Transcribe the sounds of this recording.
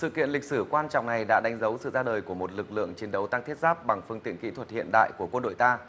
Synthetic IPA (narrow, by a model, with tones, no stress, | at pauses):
sɨ̰˧˨kḭ˧˨ənlï˨˩k̟̚sɨ˧˩kwaː˧nt͡ɕɔ̰˧˨wŋ͡mna˨˩jɗa̰ː˧˥ɗa˨˦jŋ̟zə˨˦wsɨ̰˧˨zaː˧ɗəː˨˩jku˧˩əmo˨˩t̚lɨ˨˩k̚lɨ̰˧˨əŋt͡ɕi˨˦nɗə˨˦wt̪a˧ŋt̪ʰi˦˥t̚zaː˦˥p̚ɓa˨˩ŋfɨ˧əŋt̪ḭ˧˨ənkḭ˧˥t̪ʰwə˨˩t̚hḭ˧˨ənɗa̰ː˧˨jku˧˩əkwə˧nɗo̰˧˨jt̪aː˧